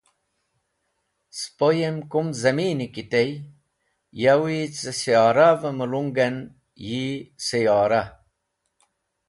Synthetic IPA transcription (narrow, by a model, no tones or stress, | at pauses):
spojemkumzɐmiːnikit̪ej | jawit͡sesijaːɾavɐməluŋɡen | jisejaːɾa